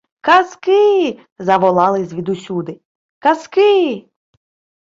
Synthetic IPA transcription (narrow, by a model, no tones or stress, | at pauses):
kɐskɪ | zɐʋɔlˠɑlˠɪzʲʋʲid̪usʲud̪ɪ | kɐskɪ